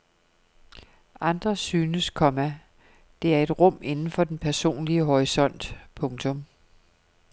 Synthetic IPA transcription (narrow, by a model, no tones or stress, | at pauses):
ʔɑ̈nd̥ʁɐsyːnəskʰɒ̽mæ | d̥e̝æɐe̝d̥ʁɔ̽m̰e̝nn̩fɒ̽d̥enpʰæɐso̝̰ːnliəɦɒʁisɒ̽n̰d̥pʰɔ̽ŋt͡sʰɔ̽m